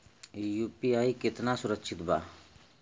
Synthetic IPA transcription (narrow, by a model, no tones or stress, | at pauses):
juːpiaːikɪt̪nasʊɾəkʃʰɪt̪bʱa̰ː